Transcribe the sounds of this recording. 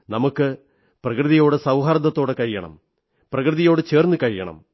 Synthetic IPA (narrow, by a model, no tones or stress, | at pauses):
nɐmukːɨ | prɐkrɨðijo̞ːɽɨsɐwɦɐɾɐd̪ɐt̪ːo̞ːɽekɐɻijɐɳɐ̰m | prɐkrɨðijo̞ːɽɨt͡ɕe̞ːrnːɨkɐɻijɐ̰ɳɐ̰m